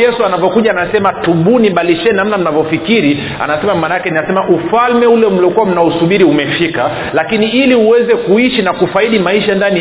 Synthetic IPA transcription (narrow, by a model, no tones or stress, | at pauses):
ɛsuanavɔkuʄaːnasɛmatuɓuniɓaliʃɛnamnam̩navɔfikiɾi | a̰nasɛmamaːnaakɛninasɛmaʔufalmɛulɛm̩liɔkuwam̩nausuɓiɾiumɛfika | lakiniiliuwɛzɛkuiʃinakufaiɗimaiʃandani